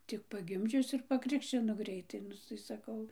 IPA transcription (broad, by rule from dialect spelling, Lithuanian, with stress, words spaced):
tʲɪk pɐˈɡʲɪmʲd͡ʒʲʊs ɪr pɐˈkrʲɪkʃʲt͡ʃʲɪnoː ˈɡrʲɛɪtɐɪ ˈnʊ tɐɪ sɐˈkɐʊ